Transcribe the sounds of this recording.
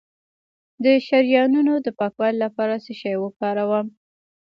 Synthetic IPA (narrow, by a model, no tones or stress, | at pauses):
d̪əʃaɾjɑnunod̪əpɑkwɑlilapɑɾaseʃɑjwəpɑɾawam